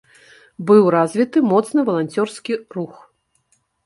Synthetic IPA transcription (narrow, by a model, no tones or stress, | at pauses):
bɨwrazʲvʲit̪ɨmɔt̪snɨvɐlˠanʲt͡sʲɔrskʲirux